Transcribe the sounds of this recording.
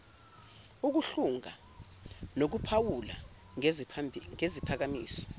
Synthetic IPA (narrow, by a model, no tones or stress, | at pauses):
uk̬uɬuŋa | nok̬upʰawula̰ | ŋezipʰak̬amḭːsɔ̥